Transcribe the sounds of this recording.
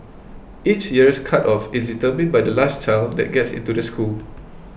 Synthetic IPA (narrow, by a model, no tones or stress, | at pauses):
it͡ʃjiɹskʰatɔfɪs̬ditəmĩnbajdəlast͡ʃaldɛ̰t̚ɡɛtsḭ̃ntudəskʰul